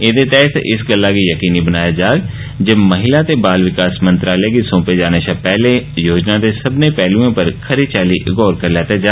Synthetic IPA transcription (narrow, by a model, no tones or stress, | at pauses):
ed̪et̪ɛːt̪ʰʔɪsɡəlːakijəkiːnibənaːjad͡ʒaːeɡ | d͡ʒɐmɐɦɪlat̪ebaːlʋɪkaːsmə̃nt̪ɾaːləekisõːped͡ʒaːneʃapɛːlejoːd͡ʒnad̪esɐbnepɛːluõpəɾkʰɐɾit͡ʃaːliɡɔːɾkɐɾlɛːt̪ad͡ʒaː